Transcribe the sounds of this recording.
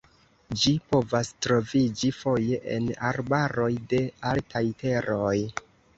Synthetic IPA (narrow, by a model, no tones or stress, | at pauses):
d͡ʒipo̞vastɾo̞vid͡ʒifo̞je̞ʔḛnaɾbaɾo̞jde̞altʰajte̞ɾoj